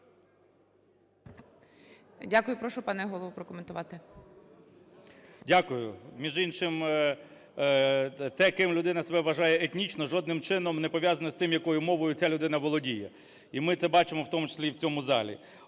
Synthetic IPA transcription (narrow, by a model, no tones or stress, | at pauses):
dʲakʊjʊpɾɔʃʊpɑnɛɦɔlˠɔʋupɾɔkɔment̪ʊʋɑt̪ɪ | dʲakʊjʊmʲiʒinʃɪm | t̪ɛkɪmlʲʊd̪ɪnɐsebɛʋɐʒɑjɛet̪ʲnʲit͡ʃnɔʒɔd̪nɪmt͡ʃɪnɔmnɛpɔʋʲjazɐnɐst̪ɪmjɐkɔjʊmɔʋɔjʊt͡sʲalʲʊd̪ɪnɐʋɔlˠɔdʲijɛ | imɪt̪sɛbɑt͡ʃɪmɔwt̪ɔmut͡ʃe̥sʲlʲiwt͡sʲɔmʊzɑlʲḭ